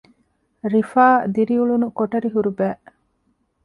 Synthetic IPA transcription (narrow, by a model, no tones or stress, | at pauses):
ɾifaːd̪iɾiuɭunukoʈɐɾiɦuɾubæːʔ